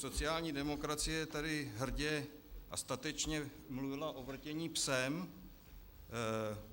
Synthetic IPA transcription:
so̞t͡sɪjaːlɲiːdɛmo̞kɾat͡sɪjɛt̪adɪɦr̩ɟɛʔa̰st̪at̪ɛt͡ʃɲɛ | mluvɪlaʔo̞vr̩cɛɲiːpsɛm

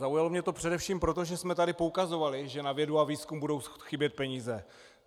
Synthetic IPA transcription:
zaujalo̞mɲɛt̪o̞pr̥ɛdɛfʃiːmpɾot̪o̞ʒɛsmɛt̪adɪpoukazo̞valɪʒɛnavjɛduaviːskumbudo̞wxɪbjɛt̪̚pɛɲiːzɛ

